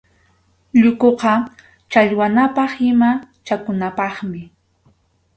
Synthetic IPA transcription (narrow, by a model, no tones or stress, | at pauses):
ʎʊkoqɑ | t͡ʃaʎwanapɑχɪma | t͡ʃakʊnapɑχmɪ